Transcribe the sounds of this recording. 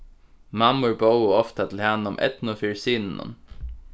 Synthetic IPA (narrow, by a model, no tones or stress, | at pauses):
mɑmʊɹboʊɔft̪at̪ʰɪl̩hɛnːʊmʔɛ̰t̪n̩ofiːɹsiːnn̩ʊ̰n